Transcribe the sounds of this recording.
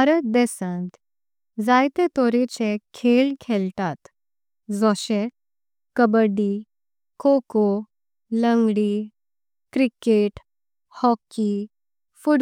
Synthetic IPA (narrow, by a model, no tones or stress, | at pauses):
aɾət̪̚d̪ɛsə̃nt̪ | d͡zajt̪ẽt̪ɔɾet͡ɕekʰelkʰɛlt̪at̪ | d͡zɔɕe | kəbəɖi | koko | ləŋɡɽi | kɾikeʈ | hɔkːi | fuɽ